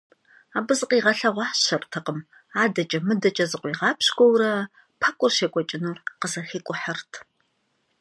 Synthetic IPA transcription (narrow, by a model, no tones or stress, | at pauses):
aːbɨzɨqʼiːʁɐɬɐʁʷɑːɕɐrtʰɐqəm | aːdɐt͡ʃʼɐmɨdɐt͡ʃʼɐzɨqʷʼiːʁɑːpʰɕɡʷɔwrɐ | pʰɐkʷʼʊrʃeːkʷʼɔt͡ʃʼɪnuːqəzɐxiːkʷʼʊħɐrtʰ